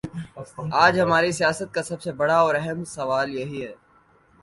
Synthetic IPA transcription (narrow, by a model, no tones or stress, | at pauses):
aːd͡ʒɦɐmaːɾisijaːsət̪̚kasɐbsebɐɽaɔːɾɛɦɛmsɐʋaːljɐɦiɦɛː